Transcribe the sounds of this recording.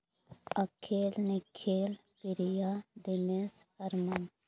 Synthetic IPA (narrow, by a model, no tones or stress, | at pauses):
əkʰːeːlnɪkʰːeːl | pɪɾijaːd̪ɪnesəɾma